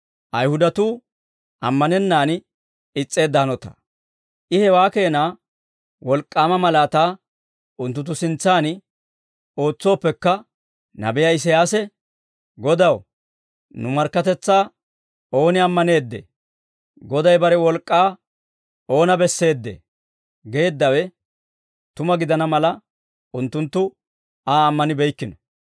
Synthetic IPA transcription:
ʔɐjhʊd̪ɐt̪uː | ɐmːɐnɛnːaːn | ɪt͡sʼːe̞ːd̪ːaːnɔt̪ɐ̥̰ | ʔɪhɛwaːke̞ːnaː | wɔlkʼːaːmɐmɐlaːt̪aː | ʔʊnt̪ːʊt̪̬ːʊsɪnt͡sːaːn | o̞ːt͡sːo̞ːpːɛkːɐ | nɐ̰bɛjɐɪs̬ɛjaːsɛ | ɡɔd̪ɐw | nʊmɐɾkːɐt̪ɛt͡sːaː | o̞ːnɪɐmːɐne̞ːd̪ːḛ | ɡɔd̪ɐjbɐɾɛwɔlkʼːaː | o̞ːnɐbɛsːe̞ːd̪ːḛ | ɡe̞ːd̪ːɐwɛ | t̪ʊmɐɡɪd̪ɐnɐmɐlɐ | ʊnt̪ːʊnt̪ːʊ | aːmːɐnɪbɛjkːɪnɔ

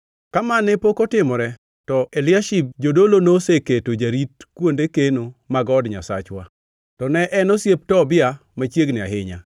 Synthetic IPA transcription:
kamanɛpokotɪmɔɾɛ | tɔelɪaʃib̚d͡ʒodolonoseketod͡ʒaɾitkwondekenomaɡɔdɲa̰sa̰t͡ʃwa̰ | tɔnɛʔɛnɔsjep̚tɔbɪa | mat͡ʃjeɡnɪa̰ɦɪɲa̰

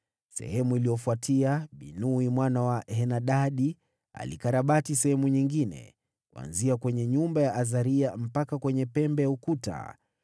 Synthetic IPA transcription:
sɛ̰hɛmuilijɔfuatʰiaɓinuimwanawahɛnaɗaɗi | a̰lḭkaɾaɓatisɛhɛmuɲiŋɡinɛ̰ | kua̰nziakwɛɲɛɲumbajaʔazaɾiam̩pakakwɛɲɛpɛmbɛjaukuta̰

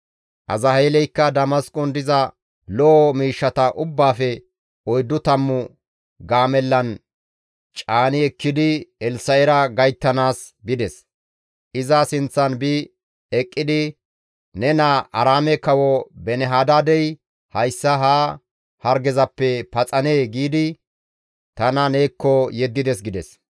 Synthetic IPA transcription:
ʔɐ̰zɐheːlɛjkːɐd̪ɐmɐskʼɔnd̪ɪzɐ | lɔʔmiːʃːɐt̪ɐʔʊbːaːfɛ | ɔjd̪ːʊt̪ɐmːʊ | ɡaːmɛlːɐn | t͡ʃʼaːnɪɛkːɪd̪ɪɛlsɐjɛɾɐɡɐjt̪ːɐnaːsbɪd̪ɛs | ʔɪzasɪnt͡sːɐnbɪ | ɛkʼːɪd̪ɪ | nɛnaʔɐɾaːmɛkɐwɔbɛnɛɦaːd̪aːd̪ɛj | hɐjsːɐɦaː | hɐɾɡɛzɐpːɛpɐt͡sʼɐneːɡiːd̪ɪ | t̪ɐnɐneːkːɔjɛd̪ːɪd̪ɛs̬ɡɪd̪ɛs

